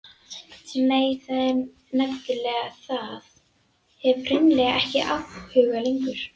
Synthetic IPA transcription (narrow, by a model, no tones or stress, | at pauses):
t̪neːjθaðɛɾ | nɛfcɪlɛːɣaθað | ɛvr̥ɪnlɛɣaɛhcɪʔafhʏːɣaliŋkʏɾ̥